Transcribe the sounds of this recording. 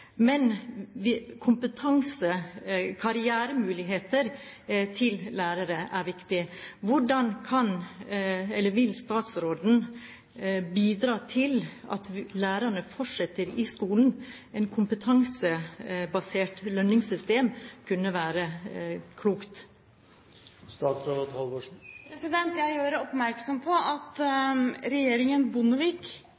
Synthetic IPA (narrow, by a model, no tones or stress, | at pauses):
mɛn | kʰʊmpət̪ʰɑŋsəkʰɑɾɪæːɾəmʉːlɪɦeːt̪əɾ | t̪ʰɪllæːɾəɾəʔæɾʋɪkt̪ɪʋʊɖɑnkʰɑn | ɛlːəʋɪlst̪ɑːt̪sɾoːd̪n̩ | biːd̪ɾɑːt̪ʰɪlɑ̰t̪læːɾəɳəfɔʈʂɛt̪ːəɾɪskuːln̩ | ɛɪnkʰʊmpət̪ʰɑŋsəbɑseːʈlœnːɪŋsʏst̪eːmkʰʉnːəʋæːɾəkʰluːkt̪ | st̪ɑːt̪sɾood̪hɑlˠʋoːʂpɾɛsɪd̪ɛnt̪jæjøːɾəɔpmæɾksɔmpʰɔɑt̪ | ɾɛjeːɾɪŋənbʊnəʋik